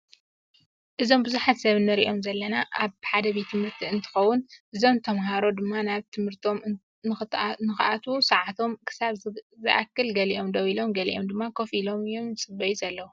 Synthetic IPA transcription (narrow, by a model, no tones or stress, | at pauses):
ʔɨzo̞mbɨzuħat̪sɐβɨnːɨɾḭʔo̞mzɐlːɐnaʔaβħad̪ɐβit̪ʰɨmhɨɾt̪ʰiɨnt̪ʰɨ̥xɐwːʊnʔɨzo̞mt̪ʰɐmɦaɾo̞d̪ɨmːanaβt̪ʰɨmhɨɾt̪ʰo̞m | nɨt̪nɨxɨʔat̪ʰusɐʕat̪ʰo̞mkʰɨ̥saβzɨʔa̰kːɨlɡɐliʔo̞md̪ɐwilo̞mɡɐlḭʔo̞md̪ɨmːakʰo̞filo̞mɨjːomsʼɨbɐjuzɐlːɐwu